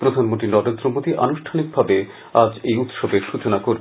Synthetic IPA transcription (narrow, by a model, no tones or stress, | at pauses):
pɾod̪ʱanmont̪ɾinɔɾend̪ɾomod̪iʔa̰nuʃʈʰanik̚bʱabe | ad͡ʑejut̪ʃobeɾʃut͡ɕonakoɾ